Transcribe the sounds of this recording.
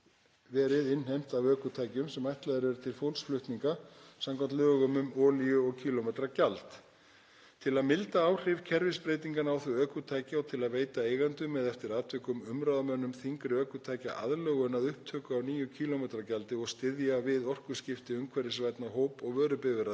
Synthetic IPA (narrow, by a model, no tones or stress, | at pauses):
vɛːɾɪðɪnhejm̥t̪avœːkʏt̪ʰaːjcʏmsɛmajht̪laðɪɾvɛɾɪt̪ʰɪlfowlsflʏht̪niŋkasamkʰant̪lœːɣʏmʏmɔːlijʏɔcʰiːlomejt̪ɾacalt̪ | t̪ʰɪlaðmɪlt̪aaːwr̥ɪvcʰɛɾvɪspɾeːjt̪̬iŋkanawθɛœːkʏt̪ʰaːjcaɔt̪ʰɪlaðveːjt̪aeːjɣant̪ʏmɛðɛft̪ɪɾaːt̪ʰvɛkʏmʏmɾawðamœnːʏmθiŋkɾɪœːkʏt̪ʰaːjca̰ʔa̰ðlœɣʏnaðʏhp̚t̪ʰœːkʏawniːjʏcʰiːlomejt̪ɾacalt̪ɪɔɣst̪ɪðjavɪðɔr̥kʏscɪft̪ɪʏmkʰvɛɾɪsvajt̪naɦoːwpɔɣvœːɾʏpɪvɛɾa